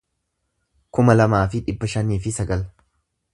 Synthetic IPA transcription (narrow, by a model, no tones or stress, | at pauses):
kʊmɐlɐmaːfɪᶑɪbːɐʃɐniːfɪsɐɡɐl